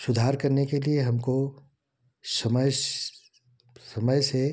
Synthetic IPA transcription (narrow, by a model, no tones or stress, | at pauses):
sʊd̪ʱaːɾkɐɾnekelieɦɐmko | sɐməj | sɐməjse